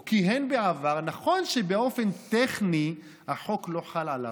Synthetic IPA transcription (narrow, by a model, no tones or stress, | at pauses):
kiɦenbeavaʁnaχo̞nʃebeo̞fe̞nt̪eχni | haħo̞klo̞ħalʕala̰